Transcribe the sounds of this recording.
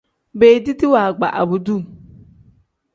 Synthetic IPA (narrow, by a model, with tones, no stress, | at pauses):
be˨di˦ti˦wa˨ɡ͡ba̰˨ʔa̰˨bu˨du˦˨